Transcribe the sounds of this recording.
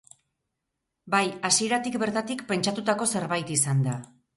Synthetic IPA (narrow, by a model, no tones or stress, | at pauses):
bajasie̞ɾat̪ikbe̞ɾt̪at̪ikpe̞nt͡ʃat̪ut̪ako̞se̞ɾβajt̪isand̪a